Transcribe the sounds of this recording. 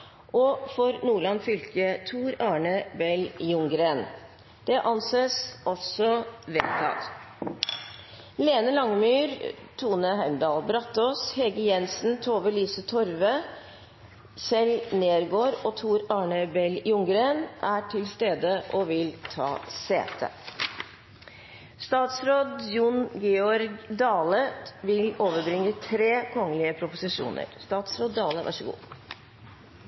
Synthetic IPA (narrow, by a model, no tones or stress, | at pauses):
ʔɔfɔɾnuːɭɑnfʏlkət̪ʰuːɾɑːɳəbɛljʊŋɡɾeːn | d̪̥ɛʔɑnseːsʔɔsɔʋɛlt̪ʰɑ̰t̪ | leːnəlɑŋəmyːɾ | t̪ʰuːnəɦæɪmd̪ɑːlbɾɑt̪ːɔshɛɡəjɛnsn̩t̪ʰoːʋəlyːsət̪ʰɔɾʋə | sɛlneːɾɡoːɾɔt̪ʰuːɾɑːɳəbɛljʊŋɡɾeːnʔæʈʰɪlst̪eːd̪əʔɔʋɪlt̪ʰɑ̰ːsḛːt̪ʰə̰ | st̪ɑːt̪sɾoːd̪jʊnɡɛɔɾɡd̪ɑːləʋɪloːʋəɾbɾɪŋːət̪ʰɾeːkʰɔŋəlɪəpʰɾʊpʊsɪʂṵːnə̰ɾst̪ɑːt̪sɾoːd̪̚ːɑːləʋɑ̰ʂəɡṵː